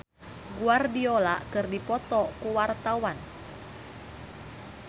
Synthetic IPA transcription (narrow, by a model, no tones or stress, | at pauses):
ɡuardiolaʔkɨrdipɔt̪ɔkuwart̪awan